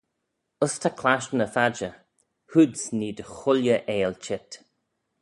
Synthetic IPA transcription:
əst̪ʰakʰlaʃnəfad͡ʒə | hud̪sniːd̪əxʊljəʔeːlt͡ʃɪt̪

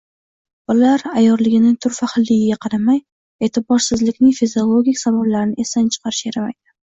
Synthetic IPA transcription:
bʊlaɾajɒɾlɪɡʲɪnɪt̪ʰʊɾfahɨlːɪɡʲɪɡʲaqʰɑɾamaj | e̞t̪ʰɪbɒɾsɪzlɪkʲnɪŋfizio̞lˠoɡʲikʲsabablaɾɪnɪʔe̞sant͡ʃʰɨ̥qʰɑɾɪʃeɾama̰jd̪ɪ

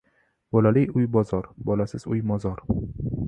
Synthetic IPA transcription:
b̥ɒlalɪjʊjbɒzɒɾbɒlasɪzʊjmɒzɒɾ

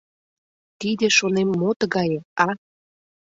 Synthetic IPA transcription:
t̪id̪ĕʃonemːot̪ɣɑjeɑ

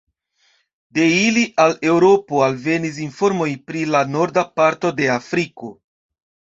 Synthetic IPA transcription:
de̞iliʔale̞wɾo̞po̞alve̞nis̬info̞ɾmo̞jpɾilano̞ɾdapaɾto̞de̞afɾiko̞

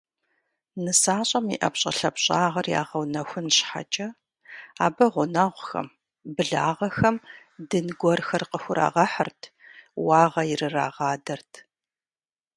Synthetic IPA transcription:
nɨsaːɕʼɐmḭʔɐpɕʼɐ̰ɬɐpɕʼaːʁɐrja̰ːʁɐwnɐxʷʊnɕħa̰t͡ʃʼɐ | aːbɐʁʷʊnaːʁʷxɐ̰m | bɨɮaːʁɐxɐm | dɨnɡʷɔrxɐrqəxʷʊɾa̰ːʁɐħərtʰ | wɑːʁɐjɪrɨra̰ːʁɑːdɐrtʰ

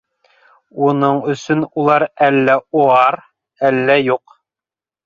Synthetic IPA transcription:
unɤɴɵ̆sɵnulˠɑɾælːæoɑɾ | ælːæjuq

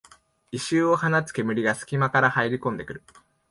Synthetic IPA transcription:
iɕɨːo̞hanat͡sɨ̥ke̞mɯ̟ɾʲiɡasɨ̥kʲimakaɾahaiɾʲikõ̞nd̪e̞kɯ̟ɾɯ̟

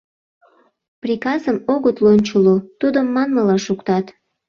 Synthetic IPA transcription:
prʲikɑzəmoɣət̪lonʲt͡ɕolot̪ud̪əmːɑnməlɑʃukt̪ɑt̪

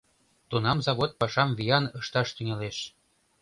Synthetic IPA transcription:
t̪unɑmzɑβot̪̚pɑʃɑmvijɑnɤʃt̪ɑʃt̪yŋeleʃ

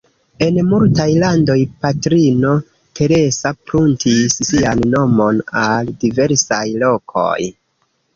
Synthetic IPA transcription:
e̞nmultajlando̞jpatɾino̞ | tʰe̞ɾe̞sapɾuntʰissianːo̞mo̞naldive̞ɾsajlo̞kʰo̞̰j

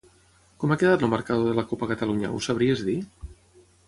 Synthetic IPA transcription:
kɔmakəðat̪ləməɾkaðoðəlakopəkət̪aluɲə̰ṵsaβɾiezði

